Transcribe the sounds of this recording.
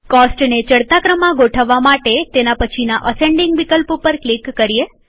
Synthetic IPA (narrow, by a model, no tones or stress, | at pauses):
kɔsʈnet͡ʃəɽt̪akɾəmãɡoʈʰəʋːamaʈet̪enapət͡ʃʰinaʔəsẽɳɖiŋɡʋikəlpopəɾklikːəɾije